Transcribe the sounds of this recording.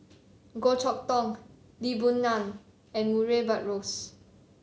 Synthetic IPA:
ɡot͡ʃʰɔk̚tɔ̃ŋ | libũnːãn | ɛ̃nmuɹebat̚ɹos

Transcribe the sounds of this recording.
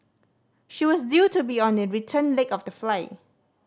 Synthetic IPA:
ʃiwɔsdjutubiɔ̃ndəɹitʰə̃nlekɔfdəflaɪ

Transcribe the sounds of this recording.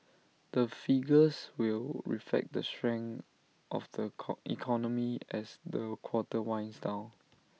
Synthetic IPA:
d̥əfiɡəswilɹḭflɛ̰k̚d̪əstɹɛ̃ŋ | ʔɔ̰fdəḭkʰɔnəmiʔɛsdəkʰw̥ɔtəwãɪ̃nsdãʊ

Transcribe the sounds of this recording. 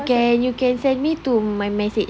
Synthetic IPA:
kɛ̃njukɛ̃nsɛ̃nmitumãjmɛset͡ʃ

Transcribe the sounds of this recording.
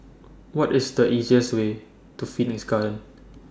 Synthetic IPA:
wɔtɪsdəʔiziəswe | tufithisɡalə̃n

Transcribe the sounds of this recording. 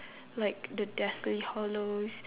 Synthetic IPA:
laɪk̚dədɛslihɔlos

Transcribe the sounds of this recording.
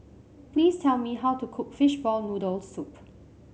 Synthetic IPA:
pʰliːstʰɛlmiɦawtukʰʊkfɪʃbɔlnudəlsup

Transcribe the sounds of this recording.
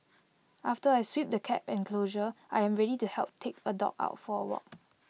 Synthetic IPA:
ʔaftəajswip̚dəkʰɛ̰pɛ̃nkʰloʒəʔajɛ̃mɹɛɾituhɛlˠp̚tʰek̚ədɔ̰k̚a̰ʊtfɔəwɔ̰t̚

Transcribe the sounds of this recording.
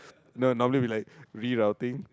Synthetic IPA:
nonɔməliwilaɪkɹiɹawt̪ɪ̃ŋ

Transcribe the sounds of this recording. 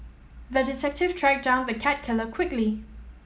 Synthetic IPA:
ðədɪtʰɛk̚tɪv̥tʰɹæk̚dãʊ̃nðəkʰæt̚kʰɪləkʰwɪkli

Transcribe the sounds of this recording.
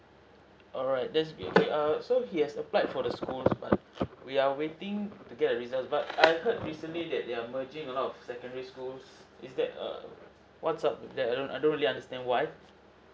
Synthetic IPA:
ʔɔlɹaɪt̚lɛtsbio̰keʔasohihɛsəplaɪtfɔdəskulsba̰t̚wiawetɪ̃ŋtuɡɛt̚əɹizaltsbatajhət̚ɹisə̃nlidɛt̚deaməd͡ʒɪ̃ŋəlɔtɔfsɛkə̃ndəɹiskuls | ḭsdɛt̚ʌ̰ | wɔtsap̚dɛtadõnʔa̰jdõnɹiliãndəstɛ̃ndwaj

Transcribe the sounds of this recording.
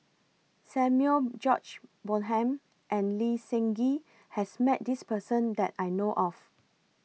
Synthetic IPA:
sɛ̃mjuəld͡ʒɔt͡ʃbolɦɛ̃m | ʔɛ̃nlisɛ̃ŋɡi | hɛsmɛt̚dispəsə̃ndɛtajnoʔɔf

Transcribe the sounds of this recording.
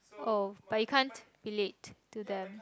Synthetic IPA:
ɔb̥ajukʰãnt | ɹiletːudɛ̃m

